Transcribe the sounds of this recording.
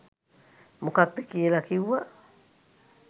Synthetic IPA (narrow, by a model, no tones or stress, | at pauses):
mokak̚d̪ekielakiwa